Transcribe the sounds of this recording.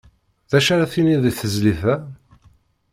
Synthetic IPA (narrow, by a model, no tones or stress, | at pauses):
ðæʃaɾaθiniðiθəzliθæ